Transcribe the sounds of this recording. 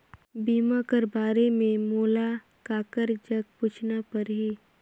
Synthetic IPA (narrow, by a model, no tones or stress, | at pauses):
biːmakəɾbaːɾemẽmoːla | kaːkəɾd͡ʒɐɡ̚puːt͡ʃʰnapəɾɦiː